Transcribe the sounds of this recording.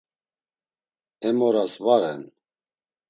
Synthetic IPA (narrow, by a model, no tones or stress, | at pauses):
ɛmɔɾasvaɾɛn